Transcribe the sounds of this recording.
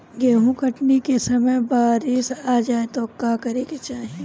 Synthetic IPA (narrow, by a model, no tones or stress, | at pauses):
ɡeːɦũkɐʈnikesɐməjbaːɾisaːd͡ʒaːet̪oːkãːkɐɾeket͡ʃaːɦe